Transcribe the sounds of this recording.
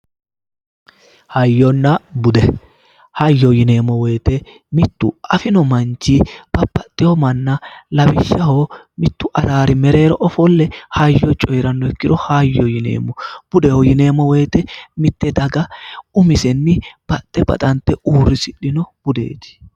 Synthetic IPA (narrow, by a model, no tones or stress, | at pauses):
hɐjːɔnːɐbʊd̪ɛ | hɐjːɔjɪne̞ːmːɔwɛjt̪ɛ | mɪt̪ːʊɐfɪnɔmɐnt͡ʃːib̥ɐbːɐt̪ʼːɪjɔmɐnːɐlɐbɪʃːɐho | mɪt̪ːʊʔɐɾaːɾɪmɛɾe̞ːɾɔʔɔfɔlːɛhɐjːɔt͡ʃʼɔjɾɐnːɔɛkːɪd̪ɔhɐjːɔjɪnḛːmːɔb̥ʊd̪ɛhɔjɪne̞ːmːɔwɛjt̪ɛmɪt̪ːɛd̪ɐɡɐʊmɪsɛnːɪb̥ɐt̪ʼːɛbɐ̰t̪ʼɐnt̪ːɛʔuːrːɪsɪɗːɪnɔb̥ʊd̪ḛːt̪ɪ̥